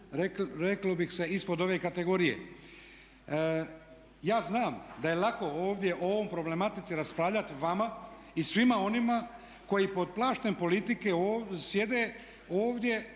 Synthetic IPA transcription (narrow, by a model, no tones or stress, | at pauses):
ɾeɾeklobixse̞ispo̞d̪o̞ʋe̞ːkat̪e̞ɡo̞ɾijḛ | jaːznaːmd̪aje̞lako̞oːʋd̪ʲje̞ʔoooʋo̞ːjpɾo̞ble̞mat̪it̪siɾaspɾaːʋʎat̪iʋama | isʋimao̞nima | ko̞jipo̞d̪̚plˠaːʃt̪e̞mpo̞lit̪ike̞osje̞d̪e̞ː | oːʋd̪je̞